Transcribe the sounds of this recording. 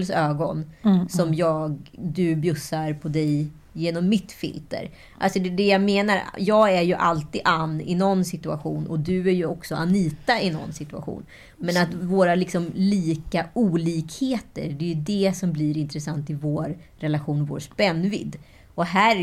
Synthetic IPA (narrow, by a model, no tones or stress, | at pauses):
lsøːɡɔnsɔmjɑːɡd̪ɵbjɵsːaɾpʰɔd̪ɛj | jeːnɔmːɪt̪fɪ̰lt̪ə̰ɾ | ʔa̰lsɔd̪ɛd̪ɛjameːnaɾjɑːɡæɾjɵʔa̰lt̪iːd̪anːɪ̰nɔnːsɪt̪ɵa̰ɧuːnʔɔ̰d̪ɵæɾjɵɔksɔʔaniːt̪aɪnɔ̰nːsɪt̪ɵa̰ɧṵːn | mɛnat̪voːɾalɪksɔmliːkauːliːkheːt̪ə̰ɾɖɛjɵd̪ɛsɔmbliːɾɪnt̪ɾɛsant̪ɪvoːɾː | ɛlaɧuːnvo̰ːɾʂpɛnːvɪ̰d̪ː | ɔɦæː